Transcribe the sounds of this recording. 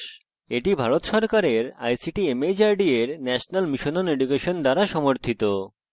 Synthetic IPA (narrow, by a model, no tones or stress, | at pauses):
eʈibʱaɾot̪ʃɔɾkaɾeɾa̰jsiʈiemed͡ʑaɾɖieɾnɛʃonalmiʃononeɖukeʃond̪aɾaʃɔmoɾt̪ʰit̪o